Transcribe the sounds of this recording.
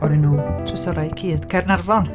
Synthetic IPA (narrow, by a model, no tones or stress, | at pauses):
ɔɾinuːtʰʊsɔɾajkʰiːð̥kʰɛrnarvɔn